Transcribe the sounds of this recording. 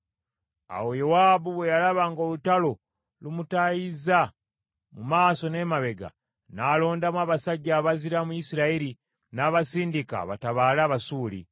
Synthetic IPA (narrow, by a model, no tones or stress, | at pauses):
a̰wo̞jowaːbuβwe̞jalaβaːŋɡolutalo̞ | lumutajiza | mumaːso̞ne̞ːmaβe̞ɡa̰ | naːlo̞ːndamwaːβasaɟːaːβaziɾamujisiɾaiɾi | naːβasiːndika̰βa̰taβaːlaːβasuːlḭ